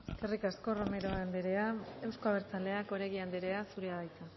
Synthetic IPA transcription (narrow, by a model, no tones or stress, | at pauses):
eske̞rikasko̞ro̞me̞ɾo̞and̪eɾe̞ae̞wsko̞aβeɾt͡sale̞ako̞ɾe̞ɣiand̪eɾe̞asuɾeaβajt̪a